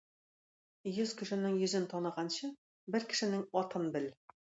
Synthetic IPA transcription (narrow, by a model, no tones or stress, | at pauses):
jɵzkʲʰɵ̆ʃɘ̆nɘŋjɵ̆zɘnt̪ʰɒnɤ̆ʁɑnɕɤ | bɘɾkʲʰɪ̥̆ʃɘ̆nɘŋɒt̪ɤnbɘl